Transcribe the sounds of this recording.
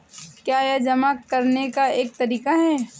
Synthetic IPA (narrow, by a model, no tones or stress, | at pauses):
kjaːjed͡ʒɐmakɐɾnekaeːk̚t̪ɐɾiːkaɦɛː